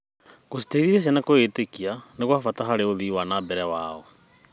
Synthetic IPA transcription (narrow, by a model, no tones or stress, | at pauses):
ɣosi̥teiðiɾes̬anakoetekianeɣwaːfataɦaɾeoðiwanabɛɾɛwaɔ